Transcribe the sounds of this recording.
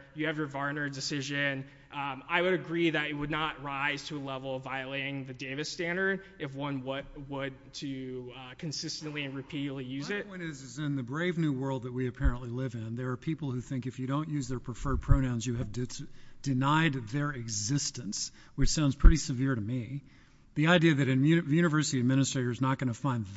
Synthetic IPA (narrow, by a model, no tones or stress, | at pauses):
jɨːvjə˞vɑɹnə˞dɨsɪʒɨ̃n | aɪwɨɾɨɡɹiðɨɾɨt̚wədⁿnəʔ̚ɹaɪz̥tʰɨːlɛvl̩ˠʌvaɪɨleɪɾɪ̃ŋðɨdeɪvɨstæ̃ndə˞ɾɨfwʌ̃nwʌt̚wəd̚tʰɨkʰɨ̃nsɪstɨ̃nʔliɨ̃nɹɨpʰiɾˡlijʉzɪt̚wʌ̃nɪzɨzɪ̃nðɨbɹeɪvnʉwɜ˞lˠd̪̚ðət̚wiɨpʰɛɹə̃nʔlilɪvɪ̃nðə˞ːpʰipl̩ˠhʉθɪ̃ŋkɨfjɨɾõʊ̃nʔjʉzðə˞pʰɹ̥ɨfɜ˞d̚pʰɹ̥oʊɾãʊ̃nzjɨɨvdd̥ɨnaɪd̪̚ðə˞ɪɡzɪstɨ̃ns | wɨt͡ʃsãʊ̃nz̥pʰɹ̥ɪɾisɨvɪɹɾɨmi | ðiaɪdiɨðɨɾɨʉjʉñɨvɜ˞sɨɾiɨd̚mɪ̃ñɨstɹ̥eɪɾə˞znət̚ɡ̥ʌñəfãɪ̃nð